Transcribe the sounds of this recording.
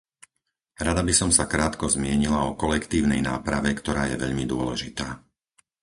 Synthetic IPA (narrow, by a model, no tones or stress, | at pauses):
ɾad̪abisɔmsakɾaːt̪kɔzmɪɛɲilaɔkɔlɛkt̪iːʊnɛjna̰ːpɾaʋɛkt̪ɔɾaːjɛ̰ʋɛʎmid̪ʊɔlɛʒit̪aː